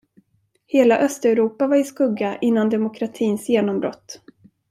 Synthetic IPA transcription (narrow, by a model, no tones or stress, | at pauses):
heːlaʔœst̪ɛɾuːpavaɾɪskɵɡːaʔɪnːand̪ɛmʊkʰɾat̪ʰiːnsjeːnɔmbɾɔ̰t̪ː